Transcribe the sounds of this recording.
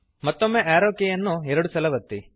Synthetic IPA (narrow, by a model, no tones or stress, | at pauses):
mɐt̪ːomːeʔaːɾoːkejɐnːuɛɾɐɽusɐlɐʋɐt̪ːi